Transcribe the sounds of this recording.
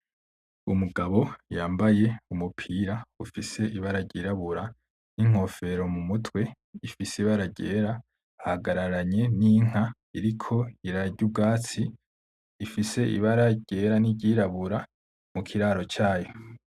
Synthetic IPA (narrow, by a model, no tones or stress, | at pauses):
umuɡaβo̞jaːmbaje̞umupʰiːɾaufise̞ʔiβaɾaɟiːɾaβuɾa | niŋ̥o̞fe̞ɾo̞mumutʰwe̞ | ifisiβaɾaɟe̞ːɾa | haɡaɾaɾaɲe̞niŋ̥a | iɾikʰo̞iɾaɟub̚ɡaːt͡siː | fise̞ʔḭβaɾaɟ̥e̞ːɾaniɟiːɾaβuɾa | mukʰiɾaːɾo̞t͡ʃaːjo̞